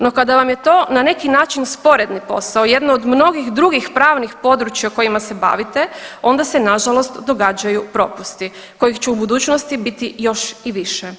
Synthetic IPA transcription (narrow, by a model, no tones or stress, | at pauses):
no̞kad̪aʋamjet̪o̞ːnane̞kinaːt͡ʃinspo̞ɾe̞d̪nipo̞̰saoje̞d̪nood̪mno̞ɡixd̪ɾuɡixpɾaːʋnixpo̞d̪ɾut͡ʃjauko̞jimase̞ba̰ːʋit̪e̞o̞nd̪asenaʒalo̞st̪d̪o̞ɡad͡ʒajupɾo̞̰pust̪i | ko̞jixt͡ɕuubud̪uːt͡ʃnost̪ibit̪ijo̞ʃiʋiʃe